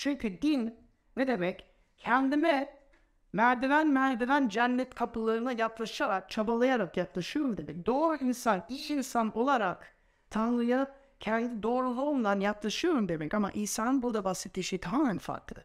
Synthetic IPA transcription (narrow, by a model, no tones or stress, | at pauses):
t͡ʃynt̪ʰyd̪in | vɛd̪emɛcʰː | ɛnd̪imɛ | mæɾd̪edænmæɾd̪edænd͡ʒɛnːɛt̪kʰapʰɯlˠaɾɯnɯjaplˠaʃaɾak̚t͡ʃʰabalˠajaɾakjaplˠaʃɯjoɾumd̪emɛc̚d̪oːɾuinsanbijinsano̞lˠaɾak | t̪ʰanlˠɯjap̚ | cʰɛnd̪ʰid̪o̞ːɾunˠaolˠnd̪anjaplˠaʃɯjoɾumd̪emɛcama̰ʔiːsanɯbud̪abasit̪ʰːiʃɛjt̪ʰaɦaːmænfa̰ɾklˠɯ